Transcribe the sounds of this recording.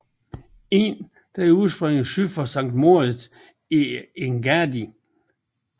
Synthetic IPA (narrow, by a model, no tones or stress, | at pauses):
e̝n | d̥ɑ̈uðˠsb̥ʁeŋ̰ð̩syfɒsɑ̈ŋ̰d̥mo̝ɐ | ieŋɡ̥ædi